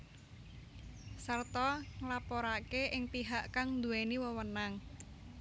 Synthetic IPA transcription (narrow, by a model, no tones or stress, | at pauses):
sərt̪ɔŋlapɔɾakeʔɪŋpiɦaʔkaŋnd̪ueniwəwənaŋ